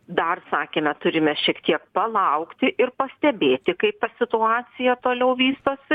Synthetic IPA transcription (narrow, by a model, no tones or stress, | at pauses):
d̪ɐrsɑːkʲeːmʲɛt̪ʊɾʲɪmʲɛʃʲiɛkt̪ʲiɛkpɐlˠɐʊkt̪ʲɪʔɪrpɐsʲt̪ʲɛbʲeːt̪ʲɪkɐɪp̚t̪ɐsʲɪt̪ʊɑːsʲɪjɛt̪oːlʲɛʊʋʲiːst̪oːsʲɪ